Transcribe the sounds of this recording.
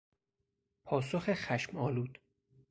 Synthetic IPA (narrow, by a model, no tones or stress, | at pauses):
pʰɒːsoxexæʃmɒːluːd̪̥